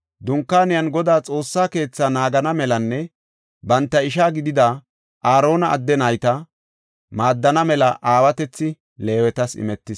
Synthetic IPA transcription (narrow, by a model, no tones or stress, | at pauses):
d̪ʊŋkːaːnɪjɐnɡɔd̪aːt͡sʼo̞ːsːaːke̞ːt͡sːanaːɡɐnɐmɛlɐnːɛ | bɐnt̪ːɐɪʃaːɡɪd̪ɪd̪a | ʔaːɾo̞ːnɐ̰ːd̪ːɛnɐjt̪ɐ | maːd̪ːɐnɐmɛlɐʔaːwɐt̪ɛt͡sːɪ | le̞ːwɛt̪ɐsɪ̰mɛt̪ːɪs